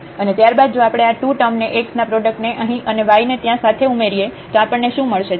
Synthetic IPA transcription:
ənet̪jaɾbad̪̚d͡ʒoapɽ̃eaʈuʈəmneʔeksnapɾɔɖək̚ʈneʔəɦĩʔəneʋainet̪jãsat̪ʰeumeɾijet̪oapəɳneʃũməɭʃe

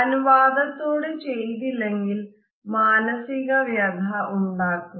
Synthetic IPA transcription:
ɐnuʋaːd̪ɐt̪ːoːɽɨt͡ɕe̞jt̪̬ilːe̞ŋɡil | maːnɐsiɣɐʋjɐd̪ʱɐʔuɳɖaːkːu

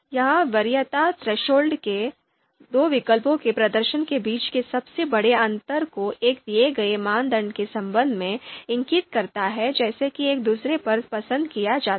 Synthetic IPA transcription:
jɐɦãʋɐɾɪjət̪at̪ɾɐʃoːlɖke | d̪oːʋɪkəlpõkepɾɐd̪əɾʃənkebiːt͡ʃkesɐbsebɐɽeɐ̃nt̪əɾkoʔeːk̚d̪ijeɡɐemaːnd̪əɳɖkesɐ̃mbə̃nd̪ʱmẽɪ̃ŋkɪt̪kɐɾt̪aɦɛd͡ʒɛːsekieːk̚d̪uːsɾepɐɾpɐsə̃nd̪kijad͡ʒaːt̪

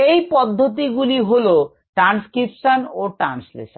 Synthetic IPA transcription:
ejpɔd̪ʱːot̪̬iɡuliɦolo | ʈɾanskɾipʃanoʈɾa̰nslḛʃon

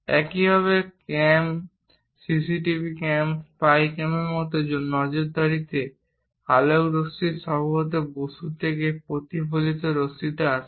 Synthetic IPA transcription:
ɛkibʱɔβekɛm | sisiʈibʱikɛmspajkɛmeɾmɔt̪oonɔd͡ʑoɾd̪aɾit̪e | alowɾost̪iʃɔbʱaot̪̬eboʃut̪ʰekepɾot̪ipolit̪oɾost̪iʈaa

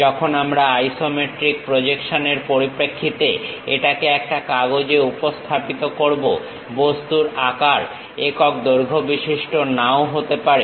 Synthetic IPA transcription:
d͡ʒɔkʰonamɾaajsomeʈɾik̚pɾod͡ʑekʃoneɾpoɾipɾekʰːit̪eeʈakeɛk̚ʈakaɡod͡ʑeupost̪ʰapit̪okoɾbo | bost̪uɾakaɾ | ekɔk̚d̪oɾɡʱobiʃiʃʈonaoɦot̪epaɾi

